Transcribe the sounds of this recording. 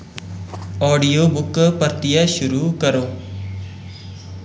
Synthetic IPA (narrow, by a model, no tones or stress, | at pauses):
ɔːɖijoːbʊkpəɾt̪ɪjaʃʊɾuːkəɾoː